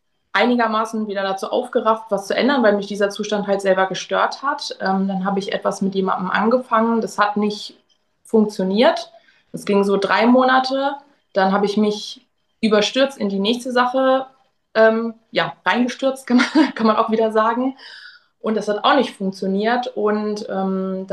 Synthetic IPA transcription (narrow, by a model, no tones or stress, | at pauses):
ʔaɪnɪɡɐmaːsn̩viːdɐdat͡suːʔa̰ʊfɡ̥əʁaftv̥ast͡suʔɛ̰ndɐnvaɪlmɪçd̥iːzɐt͡suːʃtanthaltz̥ɛlbɐɡəʃtøːɐthatʔɛːmd̥anɦaːbəɪçʔɛ̰tv̥asmɪtjeːma̰ndəm̩ʔa̰nɡəfaŋəndashatnɪçt | fʊŋk̚t͡sjoniːɐt | ʔɛsɡ̥ɪŋzoːdʁaɪmoːnatʰə | d̥anɦaːbəɪçmɪç | ʔyːbɐʃtʏɐt͡stɪndiːnɛːçstəzaχə | ʔɛːmjaːʁaɪnɡəʃtʏɐt͡st̚kʰanmkʰanmanʔa̰ʊxviːdɐzaːɡŋ̩ | ʔʊntd̥ashata̰ʊxnɪçtfʊŋk̚t͡sjoniːɐtʔʊntʔɛːmda